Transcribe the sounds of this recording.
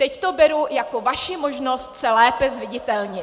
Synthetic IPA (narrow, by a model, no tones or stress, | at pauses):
t̪ɛct̪o̞bɛɾujakovaʃɪmo̞ʒno̞st̪sɛlɛːpɛzvɪɟɪt̪ɛlɲɪ